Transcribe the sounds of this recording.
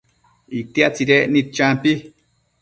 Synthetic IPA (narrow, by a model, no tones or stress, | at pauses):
ik̚t̪iaʔt͡siɾeʔnit̪̚t͡ʃampi